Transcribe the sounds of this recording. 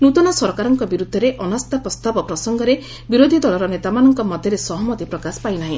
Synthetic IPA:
nut̪ɔnɔsɔɾkaɾɔŋkɔbiɾud̪ʱːɔɾeʔɔnast̪apɾɔst̪abɔpɾɔsɔŋɡɔɾe | biɾod̪ʱid̪ɔlɔɾɔnet̪amanɔŋkɔmɔd̪ʱjɔɾesɔɦɔmɔt̪ipɾɔkaspajnaɦĩ

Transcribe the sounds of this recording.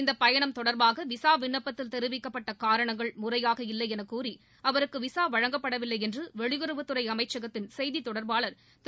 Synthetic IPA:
ɪnd̪ɐpːɐjɐɳɐmt̪ɔɽɐɾbaːɣɐʋɪsaːʋɪɳːɐpːɐt̪ːɪlt̪ɛɾɯʋɪkːɐpːɐʈːɐkaːɾɐɳɐŋɡɐɭmʊrɐjaːɣɐɪlːɐɪɛnɐkːuːri | ɐʋɐɾɯkːɯʋɪsaːʋɐɻɐŋɡɐpːɐɽɐʋɪlːɐɪɛndrɯʋɛɻɪɣɯɾɯʋɯt̪ːɯɾɐɪɐmɐɪt͡ʃːɐɣɐt̪ːɪnsɛjðit̪ːɔɽɐɾbaːɭɐɾ | t̪

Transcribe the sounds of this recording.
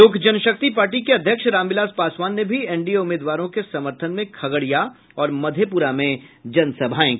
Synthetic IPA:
oːɡʱd͡ʒɐnʃək̚t̪ipaːɾʈ̬ikeɐd̪ʱjəkʃɾãːmʋɪlaːspaːswaːnːebʱiɛ̃ːɳɖieʊmeːd̪ʋaːɾõkesɐməɾt̪ʰənmẽkʰɐɡəɽija | ɔːɾmɐd̪ʱjepuɾamẽd͡ʒɐnsɐbʱaːẽ

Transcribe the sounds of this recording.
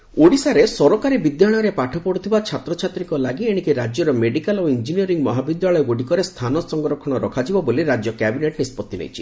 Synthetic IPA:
oɽisaɾesɔɾɔkaɾibid̪jaɽ̃ɔɾepaʈʰɔpɔɽut̪ʰibat͡ʃʰat̪ɾɔt͡ʃʰat̪ɾiŋkɔlaɡieɽ̃ikiɾad͡ʒjɔɾɔmeɖikaloind͡ʒiniɔɾiŋmɔɦabid̪jaɭɔjɔɡoɽikɔɾest̪ʰanɔsɔŋɡɾɔkʰɔɽ̃ɔɾɔkʰad͡ʒibɔboliɾad͡ʒjɔkɛbineʈnispɔt̪ːinḛjt͡ʃʰi̥

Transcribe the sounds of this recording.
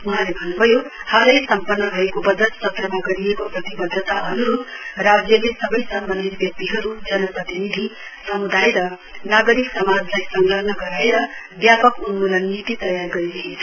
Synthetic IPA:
uɦãlebʱʌnːubʱʌjohʌɾʌjsʌmpʌrnːʌbʱʌekobʌd͡zʌt̪sʌt̪rʌmaɡʌɾiekoprʌt̪ibʌd̪ʱːʌt̪aɦʌnuɾut̪rad͡zjʌlesʌbʌjsʌmbʌnd̪ʱit̪̚bjʌk̚t̪iɦʌɾud͡zʌnʌprʌt̪inid̪ʱi | sʌmud̪ʱajɾʌ | naɡʌɾiksʌmad͡zlajsʌŋɡlʌɦnʌɡʌɾaeɾʌ | bjapʌkunmulʌnːit̪it̪ʌjarɡʌɾiɾʌɦint͡sʰʌ

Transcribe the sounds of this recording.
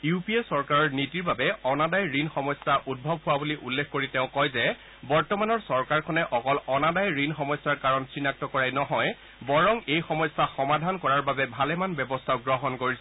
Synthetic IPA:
jupiesɔɹkaɹɔɹnitiɹbabɛɔnadajɹinxɔmɔsaʔud̚bʱɔbʱɦʊwabuliʔulːekʰkoɹiteʊ̃kɔjzɛ | bɔɹtɔmanɔɹsɔɹkaɹkʰɔnɛʔɔkɔlɔnadajɹinxɔmɔjsaɹkaɹɔnsinak̚tɔkɔɹajnɔɦɔj | bɔɹɔŋejxɔmɔjsaxɔmadʱankɔɹaɹbabɛbʱalɛmanbjɛbɔstʰaʊɡɹɔɦɔnkoɹisɛ

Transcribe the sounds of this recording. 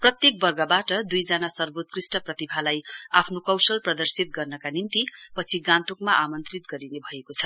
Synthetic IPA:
prʌt̪jek̚bʌrɡʌbaʈʌd̪ujd͡zanasʌrbot̪̚krisʈʌprʌt̪ibʱalajapʰnokʌwsʌlprʌd̪ʌrsit̪̚ɡʌrnʌkanint̪ipʌt͡sʰiɡãnt̪okmaʔamʌnt̪rit̪ɡʌɾinebʱʌekot͡sʰʌ

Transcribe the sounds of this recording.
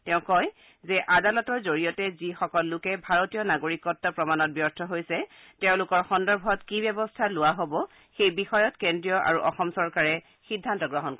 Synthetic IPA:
tɛʊ̃kɔj | zɛʔadalɔtɔɹzoɹijɔtɛzixɔkɔlːʊkɛbʱaɹotijɔnaɡoɹikɔtːɔpɹɔmanɔt̚bjɔɹtʰɔɦojsɛ | tɛʊ̃lʊkɔɹxɔndɔɹbʱɔtkibɛbɔstʰalʊwaɦobɔ | xejbixɔjɔtkendɹijɔʔa̰ɹuʔɔxɔmsɔɹkaɹɛ | xidʱːantɔɡɹɔɦɔnkɔ

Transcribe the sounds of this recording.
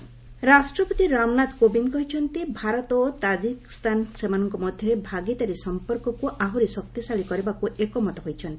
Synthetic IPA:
ɾasʈɾɔpɔt̪iɾamnat̪kobinkɔɦit͡ʃʰɔnt̪ibʱaɾɔt̪ɔt̪ad͡ʒikst̪ansemanɔŋkɔmɔd̪ʱjɔɾebʱaɡit̪aɾesɔmpɔɾkɔkuʔaɦuɾisɔk̚t̪isaɭikɔɾibakuʔekɔmɔt̪ɔɦojt͡ʃʰɔnt̪i̥

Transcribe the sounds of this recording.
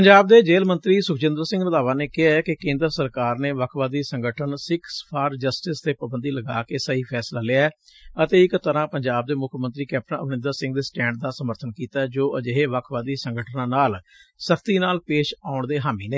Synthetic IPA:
pəɲd͡ʒaːb̚d̪eːd͡ʒeːlmə̃nt̪ɾiːsʊkʰt͡ʃɪ̃nd̪əɾsɪ̃ŋɡnəd̪aːʋaːneːkɪaːɛːkɪkẽːnd̪ɾəsəɾkaːɾneːʋəkʰʋaːd̪iːsəŋɡəʈʰənsɪkʰsə̥pʰaːɾd͡ʒəsʈɪst̪eːpəbənd̪iːləɡa̰ːkeːsəɦiːpʰɛːslaːlɪaɛːət̪eːɪkt̪əɾãːpəɲd͡ʒaːb̚d̪eːmʊkʰmənt̪ɾiːkɛːp̚ʈənəʋnɪ̃nd̪əɾsɪ̃ŋɡd̪eːsʈɛ̃ːɳɖ̚d̪aːsəməɾt̪ʰənkiːt̪aːɛːd͡ʒoːəd͡ʒeɦeːʋəkʰʋaːd̪iːsəŋɡəʈʰnãːnaːl | səkʰt̪iːnaːlpeːʃaːʊɳd̪eːɦaːmiːneː

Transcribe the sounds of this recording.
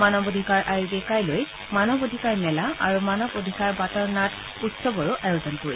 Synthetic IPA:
manɔbod̪ʱikaɹʔaɹibɛkajloj | manɔbodʱikaɹmɛlaa̰ɹumanɔbod̪ʱikaɹbatɔɹnat | utsɔbɔɹʊʔajozɔnkoɹi

